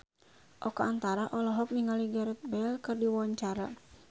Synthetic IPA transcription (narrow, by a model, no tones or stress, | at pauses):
ʔɔkaant̪aɾaʔɔlɔɦɔk̚niŋaliɡaɾɛt̪̚bɛlkɨrdiwawaɲt͡ʃaɾa